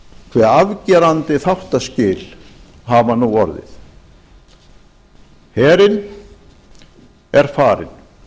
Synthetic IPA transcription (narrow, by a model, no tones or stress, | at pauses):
kʰvɛːɾavcɛɾant̪ɪθawht̪ascɪːl | ɦavanuwɔɾðɪ̰θ | hɛːɾɪn | ɛɾ̥faːɾɪ̰n